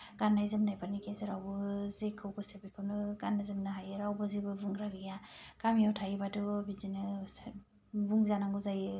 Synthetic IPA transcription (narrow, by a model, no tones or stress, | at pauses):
ɡ̥anːajzɯmnajpʰanikʰezɯɾawbɯzekʰːɯwɡɯsebikʰɯwnɯɡanːazɯmnaɦajɯɾawbɯzibɯbuŋɾaɡijakamijawtʰajɯbatɯbid͡ʒinɯ | buŋzanaŋɡɯzajɯ